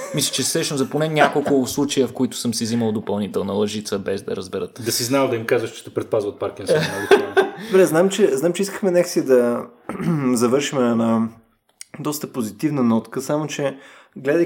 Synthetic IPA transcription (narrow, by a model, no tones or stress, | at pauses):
mislʲə̥t͡ʃɛsɾɛʃnozɐponɛnʲakolˠkʊslˠut͡ʃɐjəfkoit̪ʊ̥sɤmsiiziməlˠd̪opɐlˠnit̪ɛlˠnɐlˠɐʒit̪səbɛzd̪ɐ̰ɾəzbɛɾət̪d̪ɐsiznald̪ɐimkazvəʃt͡ʃɛ̥t̪ɛpɾɛt̪̚pazvət̪̚paɾkinsaɡ̪obɾɛznamt͡ʃɛznamt͡ʃɛiskəxmɛnɛksiəd̪ɐ | zɐvɤɾʃimɛna | d̪ɔst̪əpozit̪ivnənɔt̪kəsamot͡ʃɛɡlɛd̪ə